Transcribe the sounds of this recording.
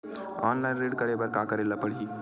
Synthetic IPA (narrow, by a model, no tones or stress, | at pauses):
ɔːnlaɪ̃nɾeɖkəɾebəɾkakəɾelapəɽi